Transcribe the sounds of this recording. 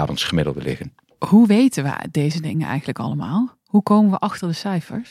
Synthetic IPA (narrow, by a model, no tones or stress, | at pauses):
vənsχəmɪdlˠdəlɪ̰χən | huʋejtənʋə̰dejzədɪŋənɛ̰jɣən̩ləkɑləmaːlˠ | hukowmənʋəʔɑxtəɹdəsɛjfə̰ɹs